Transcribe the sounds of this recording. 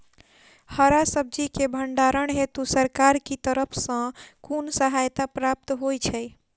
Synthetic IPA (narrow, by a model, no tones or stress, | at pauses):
həɾasəb̚d͡ʒikebʱəɳɖaɾəɳɦet̪usəɾkaɾkit̪əɾəpʰsə̃kunsəɦajt̪apɾap̚t̪ɦojt͡ʃʰɛj